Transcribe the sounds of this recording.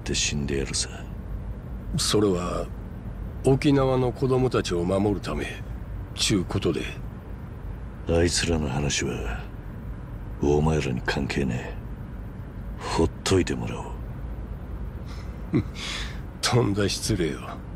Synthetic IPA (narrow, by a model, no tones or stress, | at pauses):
t̪e̞ɕĩnd̪e̞jaɾɯsa | so̞ɾe̞βa | okʲinaβano̞kʰo̞d̪o̞mo̞t̪at͡ɕio̞mamo̞ɾɯ̟t̪ame̞̰t͡ɕɨːko̞t̪o̞d̪ḛ | ait͡sɨɾanohanaɕiβa | oːmajoɾaɲ̟ikʰãŋkʰe̞ːne | ho̞t̪ʰːo̞it̪e̞mo̞ɾaɯ | t̪ʰõ̞nd̪aɕi̥t͡sɨɾe̞ːo